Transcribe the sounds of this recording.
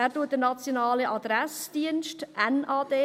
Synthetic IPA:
æːɾtuːət̚d̥əɾnɑt͡sjonɑːləʔɑd̪ɾɛsd̥iənʃtʔɛnaːd̥eː

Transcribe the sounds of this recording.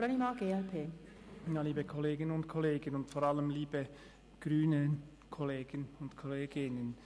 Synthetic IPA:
ɾanimaːɡeːɛlpʰeː | jaːliːbəkʰɔleːɡɪnənʊntkʰɔleːɡənʊntfɔɾaləmliːbə | ɡ̥ʁyːnə | kʰɔleːɡ̥ənʊntkʰɔleːɡɪnən

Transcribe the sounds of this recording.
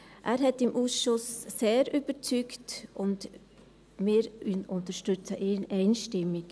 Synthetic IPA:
ʔæːɾɦɛtɪmʔuːsʃʊsːeːɾyb̥əɾt͡syktʊnd | mɪːɾynʊntəʃtʏt͡səʔeːnʔɛɪnʃtɪmɪk

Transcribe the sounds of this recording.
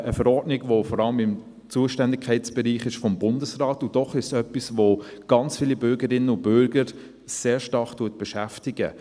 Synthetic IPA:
əfɛɾɔɾdnɪɡvofɔɾɑləmɪm | t͡suːəʃtɛndɪkʰːɛɪt͡sb̥ɛɾiːχɪʃfɔmbʊndəsraːtʊd̥ɔχɪʃsœpːisvoɡ̥ɑnt͡sfiːlibʏɾɡəɾɪnəʊb̥ʏɾɡ̥əɾ | seːɾʃtɑχtuət̚b̥ɛʃæftɪɡ̥ə̰

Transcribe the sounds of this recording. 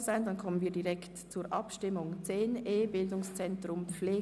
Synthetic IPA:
z̥aɪndɑnkʰɔmənviːɐdiʁɛktt͡suːɾʔɑpʃtɪmʊŋt͡seːneːbɪldʊŋst͡sɛntʁʊmp͡fleː

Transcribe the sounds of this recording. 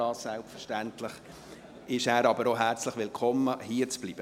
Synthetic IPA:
ɑːssælpfəɾʃtænt̪lɪχ | ɪʃæːɾɑbəɾoɦæɾt͡slɪχʋɪlkʰɔməhiːət͡sb̥liːb̥ə

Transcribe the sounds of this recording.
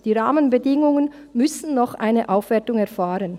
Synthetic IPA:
d̥iːʁaːmənbədɪŋʊŋən | mʏsn̩nɔχʔa̰ɪnəʔaʊfv̥ɛɐtʊŋɛɐfaːʁən

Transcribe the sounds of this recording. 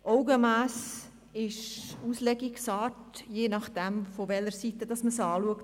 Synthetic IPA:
ʔɔʊɡəmæːs | ɪʃuslɛɡiksɑːtjeːnɑχd̥ɛmfɔʋɛləɾsitəd̥ɑsməsɑːluəkt

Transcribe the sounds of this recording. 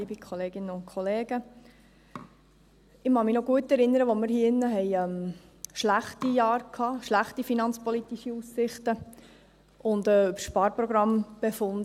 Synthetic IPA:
iːbikʰɔleːɡɪnəʊntkʰɔleːɡ̥ə | ɪmɑmɪnoɡuətɛɾɪnːəɾəʋomɪɾhiːɪnːəɦɛɪɛm | ʃlæχtijɑːɾkʰhɑːʃlæχtifinɑnt͡spɔlit̪iʃiusːɪχtə | ʔʊndɛʉbʃpɑːɾpɾɔɡɾɑmb̥efʊndə

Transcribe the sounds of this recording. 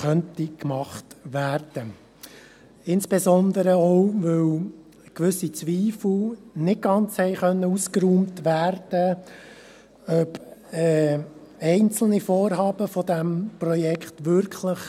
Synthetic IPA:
χœntikmɑχtʋæːrd̥ə | ɪnsb̥ezɔnd̪əɾəɔʊʋɵw | kʋʏsit͡sʋiːfl̩nɪt̚ɡɑnt͡shɛɪχœnːəuskɾuːmtʋæːrd̥ə | œbɛː | ɛɪnt͡sl̩nifɔːɾɦɑːbəfɔdæmprɔjɛkχtʋʏɾkʰləχ

